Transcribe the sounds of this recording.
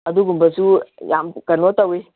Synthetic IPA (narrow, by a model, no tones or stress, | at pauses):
ad̪uɡumbəsujamkənot̪awe